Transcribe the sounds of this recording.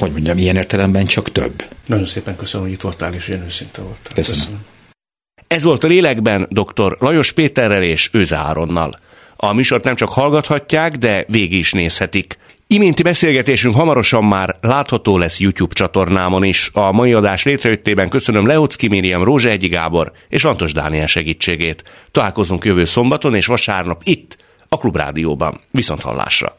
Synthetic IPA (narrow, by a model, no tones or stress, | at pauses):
ho̞ɟmo̞ɲɟɒmijɛneːrt̪ɛlɛmbɛnt͡ʃɒkt̪ø̰bːnɒɟo̞nseːpɛŋkøsənmoɟit̪ʋo̞lt̪aːleːʃoɛnøːsint̪ɛvolt̪køs | ɛzʋo̞lt̪ɒleːlɛɡbɛnd̪o̞kt̪o̞rlɒjo̞ʃpeːt̪ɛrːɛleːʃøːzɛ̰a̰ːɾo̞nːɒ̰l | ɒmyːʃo̞rt̪nɛmt͡ʃɒkhɒlɡɒt̪hɒcːaːɡd̪ɛveːɡiiʃneːshɛt̪ik | imeːnt̪ibɛseːlɡɛt̪eːʃyŋkɦɒmɒɾo̞ʃɒmːaːrlaːt̪hɒt̪oːlɛsːjucjuːbt͡ʃɒt̪o̞rnaːmoniʃɒmɒjiɒd̪aːʃleːt̪rɛjøt̪ːeːbɛŋkø̞sø̞nø̞mlɛot̪skimeːd̪ijɒmroːʒɛɛɟːiɡa̰ːbo̞r | eːʃlɒnt̪o̞ʒd̪a̰ːniɛlʃɛɡiːt͡ʃːeːɡeːt̪ː | ɒlaːlko̞zuŋkjø̞vøːso̞mbɒt̪o̞neːʃʋɒʃa̰ːrnɒpit̪ː | ɒklubra̰ːd̪ijo̰ːbɒ̰nviso̞nt̪hɒ̰lːa̰ːʃrɒ̰